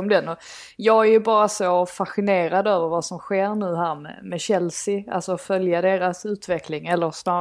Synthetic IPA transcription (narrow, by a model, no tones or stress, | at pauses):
md̪ɛnːɔ | jɑːɡæɾjʉbɑːɾasofaɧɪneːɾad̪øːvəɾvɑsɔmɧeːɾnʉ̟ːɦæːɾmɛ̰mɛɕɛlsɪa̰lsɔfœljad̪eːɾasʉ̟ːt̪vɛklɪŋɛlːəɾsnɑː